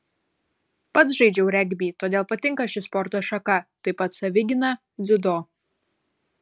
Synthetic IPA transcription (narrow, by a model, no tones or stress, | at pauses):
pɐt̪sʒɐɪd͡ʒʲɛʊɾʲɛɡʲbʲiːt̪oːd̪ʲeːlˠpɐt̪ʲɪŋkɐʃʲɪspɔɾt̪oːʃɐkɐt̪ɐɪpɐt̪sɐʋʲɪɡʲɪnɐ | d̪ʲʊd̪oː